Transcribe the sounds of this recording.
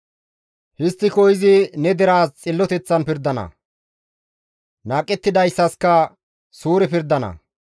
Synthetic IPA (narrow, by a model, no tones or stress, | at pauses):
hɪst̪ːɪkɔjɪzɪnɛd̪ɛɾaːst͡sʼɪlːɔt̪ɛt͡sːɐnpɪɾd̪ɐnɐ̰ | naːkʼːɛt̪ːɪd̪ɐjsːɐskɐ | suːɾɛpɪɾd̪ːɐnɐ̰